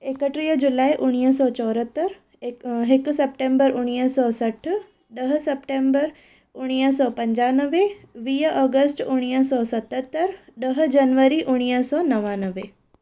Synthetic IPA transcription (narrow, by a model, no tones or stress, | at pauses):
ekəʈɾiːd͡ʑʊlaːiʔʊɽ̃iːɦəs̬ɔːt͡ɕɔːɾət̪əɾ | ɦɪkʊ̆sɛp̚ʈẽːmbəɾʔʊɽ̃iːəsɔːsɐʈʰʊ̆ | ɗɐɦʊ̆sɛpʈẽːmbəɾ | ʊɽ̃iːəs̬ɔːpɐ̃ɲd͡ʑaːnəʋeʋiːɔːɡəsʈʊɽ̃iːəsɔːsɐt̪ət̪ːəɾɗɐɦʊ̆d͡ʑɐnʋəɾiʔʊɽ̃iːəsɔːnɐʋaːnəʋeː